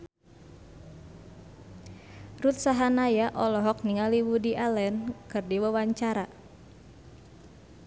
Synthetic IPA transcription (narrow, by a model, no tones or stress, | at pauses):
rut̪saɦanajaʔɔlɔɦɔk̚niŋaliwudiʔalɛnkɨrdiwəwaɲt͡ʃaɾa